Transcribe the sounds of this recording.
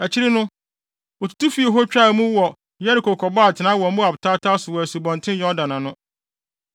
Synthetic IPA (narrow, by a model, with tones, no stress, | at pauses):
æ˨t͡ɕʰɪ˦ɾɪ˦nʊ̃˦ | ɔ˨tʰu̥˨tʰu˦fi˨˦e˨ɦɔ˦t͡ɕᶣa˦˨mũ˦wɔ˨ | jɛ˦ɾɪ˨ko˨kʰɔ˨baː˦˨tʰɪ˨nã˦wɔ˨˦mʊ̃˦a˨bʊ˨tʰaː˦tʰa˦sʊ˨wɔ˨æ˨su˨bɔ̃˨ntʰɪ̃˦njɔ˦dã˨nã˨nʊ̃˦